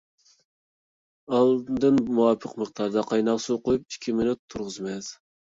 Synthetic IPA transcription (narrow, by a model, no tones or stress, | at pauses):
ɑlˠd̪ɨnmuwɑpʰəqməχd̪ɑɾd̪ɑqʰɑjnɑʁsuqʰojup̚i̥kʲʰimɪnut̪ʰːuɾʁʊzmɛz